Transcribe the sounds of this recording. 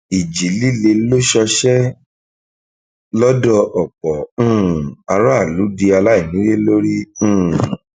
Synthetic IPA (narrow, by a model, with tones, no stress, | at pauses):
i˨d͡ʒi˨˦li˦˨le˧lo˦ʃɔ˧ʃɛ˦ | lɔ˦dɔ˧ʔɔ˨k͡pɔ̃˨˦˨a˧ɾa˦a˦˨lu˨˦di˧a˧la˦i˦˨nĩ˨˦ɾe˦lo˦ɾĩ˦˨